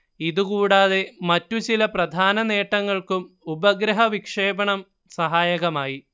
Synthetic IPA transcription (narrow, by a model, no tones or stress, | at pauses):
iðukuːɽaːðe̞mɐtːut͡ɕilɐprɐd̪ʱaːnɐne̞ːʈːɐŋːɐɭkum | ubɐɡɾɐɦɐʋikʂe̞ːbɐɳɐm | sɐɦaːjɐɣɐmaːji